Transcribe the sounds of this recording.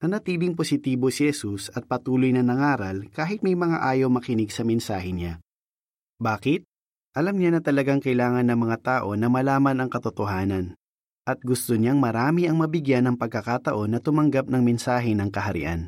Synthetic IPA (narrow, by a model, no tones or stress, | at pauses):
nɐnɐt̪iːlɪŋposɪt̪iːbo̞sihɛsusɐt̪̚pɐt̪uːlojnɐnɐŋaːɾɐlkaːɦɪt̪̚mɐjmɐŋa̰ʔaːjowmɐkɪnɪɡsɐmɛnsa̰ːɦɛɲa | baːkɪt̪̚ | ʔɐlɐmɲanɐt̪ɐlɐɡaŋkɐʔɪlaːŋɐnːɐŋmɐŋat̪aːʔo̞nɐmɐlaːmɐnɐŋkɐt̪ot̪oɦaːnɐn | ʔɐt̪̚ɡʊst̪oɲaŋmɐɾaːmiʔɐŋmɐbɪɡjanːɐŋpɐɡ̚kːɐkat̪ɐʔo̞nːɐt̪ʊmɐŋɡap̚nɐŋmɛnsaːɦɛnɐŋkɐɦɐɾɪ̰ʔa̰n